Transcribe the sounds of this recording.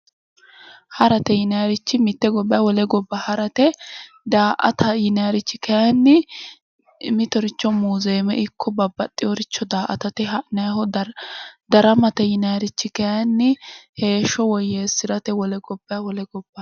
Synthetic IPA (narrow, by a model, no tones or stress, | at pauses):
hɐɾɐt̪ɛjɪnɐjɐɾɪt͡ʃːɪmɪt̪ːɛɡɔbːɐjwɔlɛɡɔbːɐhɐɾɐt̪ɛ | d̪aːʔɐ̰t̪ʰɐjɪnɐjɐɾɪt͡ʃːɪkɐjanːɪ | mɪt̪ɔɾɪt͡ʃːɔmuːzeːmɛʔɪkʰːɔbɐbːɐt̪ʼːɪjɔɾɪt͡ʃːɔd̪aːʔɐ̰t̪ɐt̪ɛɐnɐjɦɔ | d̪ɐɾɐmɐt̪ɛjɪnɐjɐɾɪt͡ʃːɪkɛjnːɪhe̞ːʃːɔwɔjːeːsɪɾɐt̪ɛwɔlɛɡɔbːɐwɔlɛɡɔb̥ːɐ